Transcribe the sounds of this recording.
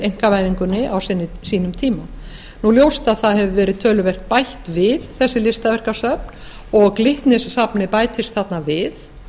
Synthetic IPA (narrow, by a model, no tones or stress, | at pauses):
ejŋ̥kavajðiŋkʏnːɪʔawsɪnːɪsiːnʏmt̪ʰiːma | nuljowst̪aðθaðhɛvʏvɛːɾɪðt̪ʰœːlʏvɛr̥t̪̚pajht̪vɪðθɛsːɪlɪst̪avɛr̥kasœpn | ɔɣklɪht̪nɪsːapnɪpaːjt̪ʰɪst̪̚θat̪navɪð